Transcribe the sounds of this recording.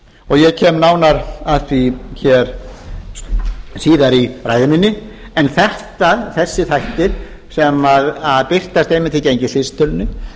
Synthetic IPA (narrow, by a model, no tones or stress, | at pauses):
ɔɣjɛcʰɛːmnaːwnaɾat̪viçɛɾ | siːðaɾiɾaːjðɪminːɪ | ɛnθɛht̪aðθɛsːɪθajht̪ɪɾ̥ | sɛmaðaðpɪr̥t̪ast̪ejmɪnt̪ʰɪcejɲcɪθɪst̪ʏlnʏ